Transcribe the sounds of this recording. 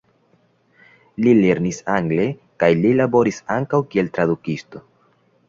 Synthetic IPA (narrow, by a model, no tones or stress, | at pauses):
lile̞ɾnisaŋɡle̞ | kajlilabo̞ɾisaŋkawkie̞lt̪ɾadukisto̞